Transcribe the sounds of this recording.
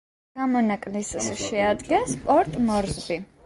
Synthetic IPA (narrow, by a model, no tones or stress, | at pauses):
ɡ̥amɔnakʼlissʃɛad̪ɡɛnspʼɔɾt̪ʼmɔɾzbi